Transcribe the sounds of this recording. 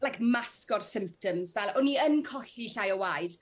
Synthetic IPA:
lajkmaskɔrsɪmp̚tʰɔmzvɛlˠɔniənkʰɔɬiɬajɔwajd̥

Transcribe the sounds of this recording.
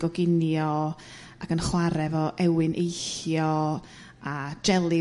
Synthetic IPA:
ɡ̥ɔɡɪnjɔ | akənχwaɾɛvɔʔɛwɨnʔejɬjɔ | ad͡ʒɛlˠɨ

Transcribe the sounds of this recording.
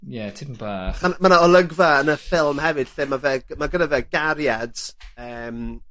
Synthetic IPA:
jɛtʰɪməmbaːχanmanaɔlˠəɡvaənəfɪlˠmhɛvɨd̥θɪmavɛɡ̥maɡənavɛɡaɾjad̥əːm

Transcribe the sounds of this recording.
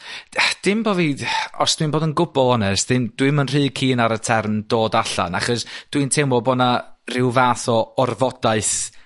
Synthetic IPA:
d̥ɪmboːvidɔsd̥winboːdənɡʊbɔlˠɔnɛsd̥ɪmd̥wɨmənr̥ɨːkʰiːnaɾətʰɛrmdoːdaɬa̰na̰χɔsd̥wintʰeːmɔbɔdnarɪwvaːθɔɔrvɔd̥aɨθ

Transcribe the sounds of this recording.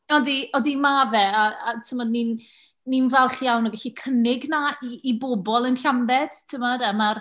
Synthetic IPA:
ɔdiɔdimavɛaatʰɪmɔdninː | invɛlˠχjawnɔɡaɬikʰənɪɡnaiːbobɔlˠənɬambɛd̥tʰɪmɔdamar

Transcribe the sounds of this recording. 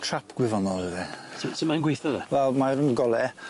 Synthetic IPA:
tʰrapʰɡ̥wɪvɔnɔlˠəðɛsisimanɡwejθɔðɛ̰vɛlˠmaɾənɡɔlˠɛ

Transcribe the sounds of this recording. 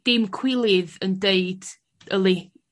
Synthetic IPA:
d̥ɪmkʰw̥ɪlˠɪðəndeɨd̥ | əlˠi

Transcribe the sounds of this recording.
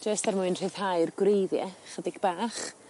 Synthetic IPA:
d͡ʒəstarmʊɨnr̥ɨð̥hajrɡwrejðjɛχədɪɡbaːχ

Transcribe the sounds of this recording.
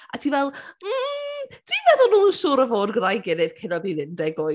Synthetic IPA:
atʰivɛlˠm̩d̥iːvɛðʊlˠnuːnsʊːɾəvoːdɡrajɡɪnɪv̥kʰɪnɔðinɪndɛɡo

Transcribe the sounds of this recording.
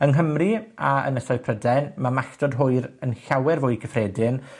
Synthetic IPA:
ənɦəmriaə̰nəsɔɨpʰrədɛnmamaɬtɔdɦʊɨɾənɬawɛrvʊɨɡəfrɛːdɪn

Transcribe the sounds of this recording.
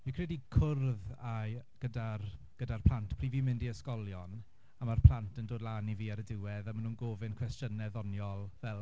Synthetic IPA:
vikʰr̥ɛdikʰʊrðaɡ̥ədarɡ̥ədarpʰl̥ˠantʰpʰr̥iːvimɪndiəskɔlˠjɔn | amarpʰl̥ˠantʰəndoːdlˠaːniviːaɾədɪwɛðamanuːnɡoːvɪnkʰwɛstənɛðɔnjɔlˠvɛlˠ

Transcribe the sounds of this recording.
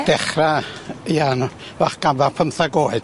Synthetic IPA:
d̥ɛχraian | vaχɡ̥amvarpʰənθaɡoːɨd̥

